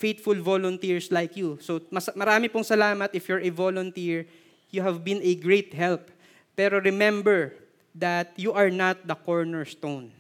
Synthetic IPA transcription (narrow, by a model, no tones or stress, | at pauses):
fejt̪fʊlvolʊnt̪iɹslajkjusomɐsmɐɾaːmɪpʊŋsɐlaːmɐt̪ʔɪfjɔɹʔɛvolɔnt̪iɹ | juɦɛvbɪ̃nɛɡɹet̪ɦɛlp̚ː | ɛːɾoɹɛmɛ̃mbɛɹ | d̪ɐt̪̚juʔɐɹnat̪̚d̪ɐkoɹnɛɹst̪on